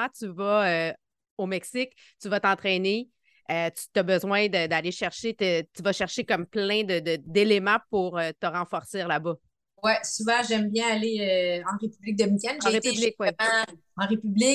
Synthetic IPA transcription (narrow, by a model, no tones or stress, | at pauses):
ãt̪yvʌø | omɛksɪk | t̪yvʌt̪ɑ̃t̪χɛne | øt̪y̥t̪ɐbəzwɛ̃d̪əd̪aleʃɛʁʃet̪ət̪yvʃɛʁʃekʌmplɛ̃d̪əd̪əd̪elemɑ̃puʁøt̪əʁɑ̃fɔʁsɪːʁlabʌ | wɛsuvɑ̃ʒɛmbjɛ̃aleøɑ̃ʁepyblɪk̚d̪əmikʲɛnʒɑ̃ʁet̪yblɪkwɛ̃ | ɑ̃ʁepyblɪ